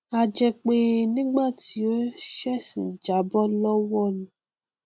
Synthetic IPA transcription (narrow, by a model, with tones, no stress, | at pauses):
a˨d͡ʒɛ˨k͡pe˨nĩ˦ɡ͡ba˦˨ti˨˦o˦ʃɛ˦sḭ̃˨d͡ʒa˨˦bɔ˦lɔ˦wɔ˦˨nũ˨